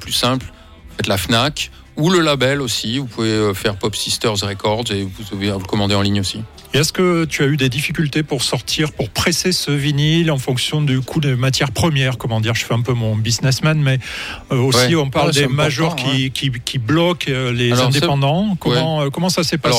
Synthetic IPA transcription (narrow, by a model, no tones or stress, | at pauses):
plysɛ̃pl | fɛt̪lafnak | uləlabɛlosivupuveøfɛʁpɔpsist̪œʁzʁekɔʁd̪zevuzavevlkɔmɑ̃d̪eɑ̃liɲosi | eɛskət̪yayd̪ed̪ifikʲylt̪epuʁsɔʁt̪ʰiʁpuʁpχesesəvinilɑ̃fɔ̃ksjɔ̃d̪ykʰud̪emat̪ʰjɛʁpχəmjɛʁkɔmɑ̃d̪iʁʒəfɛɛ̃pømɔ̃biznɛsmanmɛ | øosiɔ̃paʁld̪emaʒɔʁkʲikʲikʲʰiblɔklezɛ̃d̪epɑ̃d̪ɑ̃kɔmɑ̃økɔmɑ̃sasɛpas